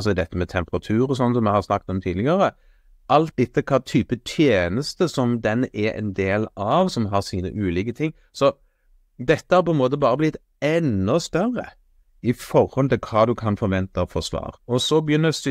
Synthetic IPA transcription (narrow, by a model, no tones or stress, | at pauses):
sɔd̪ɛt̪ːəmɛt̪ʰɛmpəɾɑt̪ʰʉːɾɔsɔnːsɔmɛɪhɑɾsnɑk̚ːt̪ɔmt̪ʰiːd̪lɪɡəɾə | ʔɑlt̪̚d̪ɛt̪ːəkʰɑːt̪ʰyːpət̪ʰjeːnəst̪əsɔmd̪ɛnɛɾɛ̰nd̪eːlɑʋsɔmɦɑɾsiːnə̰ʔʉːliːkət̪ʰɪŋː | sɔ | d̪ɛt̪ːəhɑɾpʰɔɛnmoːt̪əbɑːɾəblɪt̪ | ɛnːɔst̪œɾə̰ | ɪfɔɾhɔlt̪ʰɪlkʰɑːd̪ʉkʰɑnfɔɾʋɛnt̪ɑfɔɾsʋɑ̰ːɾɔsɔbjʏnːəs